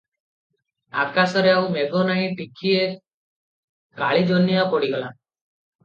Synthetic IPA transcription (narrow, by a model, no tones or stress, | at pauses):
akasɔɾeawmeɡʱɔnaĩʈikʰie | kaɭid͡ʒonjapɔɽiɡɔla